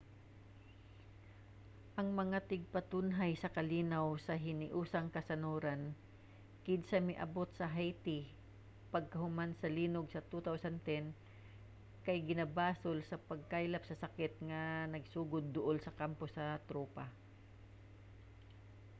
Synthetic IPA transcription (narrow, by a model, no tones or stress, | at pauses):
ʔɐŋmɐŋat̪ɪɡ̚pɐt̪ʊnɦajsɐkɐliːnawsɐɦɪnɪʔuːsɐŋkɐsɐnuːɾɐn | kɪd̪sɐmɪʔɐ̰bot̪̚sɐɦajt̪ɪ | pɐɡ̚kɐɦʊmansɐliːnʊɡsɐt̪ut̪awsɐnt̪ɛn | kɐjɡɪnɐbaːsolsɐpɐɡ̚kajlɐpsɐsɐkɪt̪̚ŋɐnɐɡsuːɡʊd̪̚ːʊʔolsɐkamposɐt̪ɾuːpa